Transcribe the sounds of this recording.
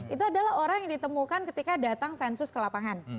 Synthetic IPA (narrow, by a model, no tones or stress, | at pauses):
ʔit̪uadalahɦoɾaŋjaŋdit̪əmukankət̪ikadat̪aŋsɛnsʊskəlapaŋan